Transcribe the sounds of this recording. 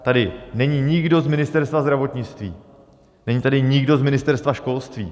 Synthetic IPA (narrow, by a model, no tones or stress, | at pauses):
t̪adɪnɛɲiɲɪɡdo̞zmɪnɪst̪ɛɾst̪vazd̪ɾavo̞t̪ɲɪt͡st̪viː | nɛɲiːt̪adɪɲɪɡdo̞zmɪnɪst̪ɛɾst̪vaʃko̞lst̪vḭː